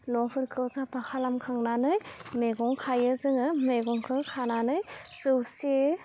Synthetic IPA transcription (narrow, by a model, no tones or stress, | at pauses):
nɔpʰɯɾkʰɯwzapʰakʰalamkʰaŋnanɯjmeɡɔŋkʰajɯzɯŋɯmeɡɔŋkʰɯkʰananɯjsɯwse